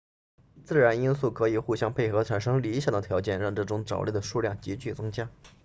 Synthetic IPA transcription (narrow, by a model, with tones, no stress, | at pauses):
t͡sɹ̩˥˩ɻa˧˥ni˥nsu˥˩kʰɤ˧˥i˨˩xu˥˩ɕjɑ˥ŋpʰe˥˩ɪxɤ˧˥ʈ͡ʂʰa˨˩nʂɤ˥ŋli˧˥ɕja˥˩d̪ə˩t̪ʰjɑ˧˥ʊt͡ɕjɛ˥˧nɻɑ˥˧ŋʈ͡ʂɤ˥˩ʈ͡ʂʊ˧˥ŋʈ͡ʂɑ˨˩ʊle˥˩d̪ə˩ʂu˥˧ljɑ˥˩ŋt͡ɕi˧˥t͡ɕy˥˩t͡sɤ˥ŋt͡ɕja˥